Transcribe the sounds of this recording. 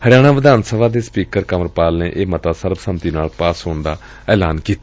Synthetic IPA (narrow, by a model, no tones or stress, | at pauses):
həɽɪjaːɽ̃aːʋəd̪aːnsəʋaːd̪eːspiːkəɾkəməɾpaːlneːʔeːmət̪aːsəɾbsəmt̪iːnaːlpaːsɦoːnd̪aː | ɛːlaːnkiːt̪ː